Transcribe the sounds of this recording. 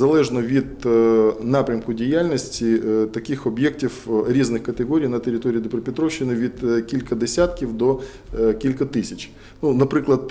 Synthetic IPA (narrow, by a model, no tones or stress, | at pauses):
zɐlˠɛʒnɔʋʲid̪ | nɑpɾʲɐmkʊdʲijalʲnʲɔsʲtʲit̪ɐkɪxɔbʲjɛk̚tʲiwɾʲiznɪxkɐt̪eɦɔɾʲijnɐt̪eɾʲɪt̪ɔɾʲiːd̪ɪpɾɔpʲɪt̪ɾɔwʃːɪnɪʋʲid̪kʲilʲkɐd̪esʲat̪kʲiwd̪ɔ | kʲilʲkɐt̪ɪsʲɐt͡ʃ | nunɐpɾɪklˠɐd̪̚